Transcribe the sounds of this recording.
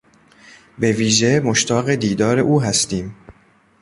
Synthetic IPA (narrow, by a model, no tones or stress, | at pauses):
be̞viːʒe̞moʃt̪ʰɒːɣed̪iːd̪ɒːɾe̞ʔuːɦæst̪iːm